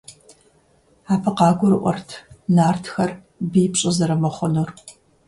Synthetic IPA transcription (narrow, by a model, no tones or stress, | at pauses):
aːpʰɐqɑːɡʷʊɾɨʔʷɔ̰rtʰnaːrtʰxɐr | bijpɕʼɪzɐɾɐmɐχʷɔnur